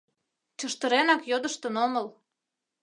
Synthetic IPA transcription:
t͡ɕəʃt̪əɾenɑkjod̪əʃt̪ə̆noməl

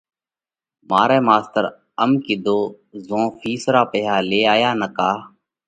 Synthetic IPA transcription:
maːɾɛːmaːst̪əɾ | əmkɪd̪oː | zõːfʰiːsɾaːpeːɦaːleːaːjaːnəkaː

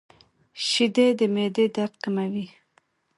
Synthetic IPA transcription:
ʃid̪ed̪əmed̪ed̪aɾt̪̚kamawi

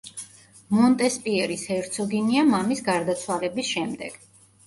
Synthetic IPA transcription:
mɔnt̪ʼɛspʼiɛɾishɛɾt̪sʰɔɡiniamamisɡaɾd̪at̪sʰwalɛbisʃɛmd̪ɛ̰ɡ̥

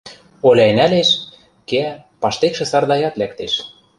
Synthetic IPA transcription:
olʲæenæleʃ | keæpɑʃt̪ekʃĕsɑrd̪ɑjɑt̪lækt̪eʃ

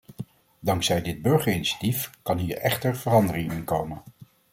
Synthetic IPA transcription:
dɑŋksɛjdɪd̚bɵɹχəɹiniʃḁtifkɑnɦiːɹɛχtəɹv̥ərɑndərɪŋɪnkowmən

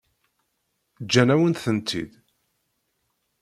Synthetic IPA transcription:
d͡ʒːænæwənθənt̪ʰḭð

